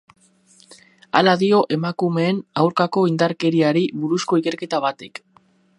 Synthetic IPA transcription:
a̰laðio̞ʔe̞makume̞ːnawɾkako̞ind̪aɾke̞ɾiaɾiβuɾusko̞ike̞ɾke̞t̪aβ̞at̪ek

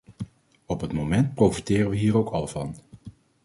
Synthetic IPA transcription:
ɔpɦətmomɛnt̚prowfitɪːrənʋəɦiːɾowkɑlˠv̥ɑ̰n

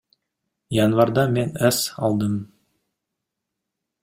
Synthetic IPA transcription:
jɑnvɑɾd̪ɑme̞næsɑ̰lˠd̪əm

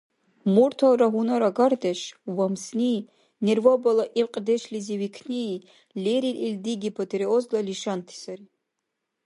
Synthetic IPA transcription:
murt̪ʰalɾaɦunaɾaɡard̪eʃwamsni | nervobalaʔiqʼd̪ɛʃliziwikʰni | lʲeɾilʔilʲd̪iɡʲipʰot̪ʰeɾeozlaliʃant̪ʰi̥saɾi

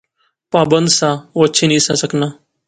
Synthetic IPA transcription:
paːbənd̪sãːoətːʃʰeːnĩːsaːsəknaː

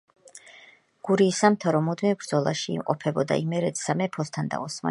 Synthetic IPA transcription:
ɡ̥uɾiːsamt̪ʰaɾɔmud̪mivbɾd̪zɔlˠaʃḭːmqʼɔpʰɛbɔd̪a̰imɛɾɛt̪samɛpʰɔst̪ʰand̪a̰ɔsma̰

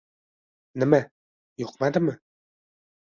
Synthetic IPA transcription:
nɘ̆mæ | joqmad̪ɘmɘ

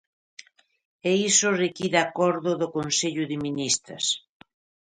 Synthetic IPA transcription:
eisʊrekiðakɔɾðʊðʊkonseʎʊðɪminist̪ɾɐ̰s

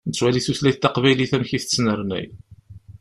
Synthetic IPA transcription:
nət͡sːwæliθuθlæθt̪ːɑqvæjliθæmçiθət͡sːnəɾˤnæ̰j

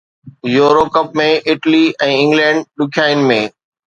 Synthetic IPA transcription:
joːɾokɐp̚mẽʔɪʈliʔɛ̃ːɪ̃ŋɡlɛ̃ːɳɖ̚ɗʊkʰjaːɪnɪ̆mẽː

